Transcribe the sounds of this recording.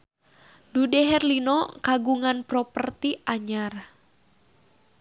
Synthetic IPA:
dudɛɦɛrlinɔkaɡuŋanpɾɔpərt̪iaɲar

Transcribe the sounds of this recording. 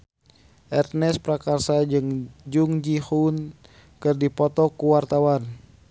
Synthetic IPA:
ʔɛrt̪̚nɛspɾakarsaɨŋd͡ʒuŋd͡ʒihun | kɨrdipɔt̪ɔkuwart̪awan

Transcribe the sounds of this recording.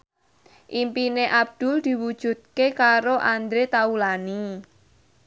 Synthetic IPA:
ʔimpineʔab̚d̪̥ʊ̤ld̪̥i̤wud̥ʒ̥ṳd̪̚kekaɾoʔand̪ɾet̪aulani

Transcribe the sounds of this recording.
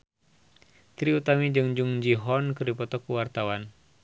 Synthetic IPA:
t̪ɾiut̪amid͡ʒɨŋd͡ʒuŋd͡ʒiɦɔnkəripɔt̪ɔkuwart̪awan

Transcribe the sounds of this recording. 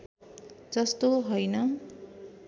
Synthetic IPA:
d͡zʌst̪oɦʌjnʌ

